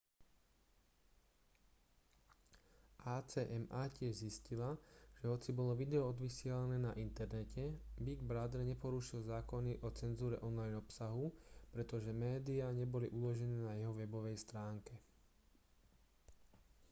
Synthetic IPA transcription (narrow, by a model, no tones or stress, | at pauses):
ʔaːt͡sɛːʔɛmaːcɪɛʒziscilaʒ̥ɛɦɔt͡sibɔlɔʋid̪ɛɔɔd̪ʋisɪɛlanɛːnaʔint̪ɛɾnɛcʰɛbiɡbɾad̪ɛɾɲɛpɔɾuʃilzaːkɔniʔɔt͡sɛnzuːɾɛʔɔnlajnɔpsaɦupɾɛt̪ɔʒɛmɛːd̪iaɲɛbɔliʔulɔʒɛnɛːnajɛɦɔʋɛbɔʋɛjst̪ɾaːŋkɛ